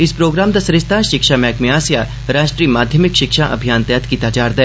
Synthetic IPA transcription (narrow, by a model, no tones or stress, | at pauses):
ɪspɾoːɡɾaːmd̪asɐɾɪst̪ʰaːʃɪkʃamɛːkmẽaːsja | ɾaːʃʈɾiːmaːd̪ʱjəmɪkʃɪkʃaʔɐ̰bʱijaːnt̪ɛːt̪kiːt̪ad͡ʒaːɾd̪ɛ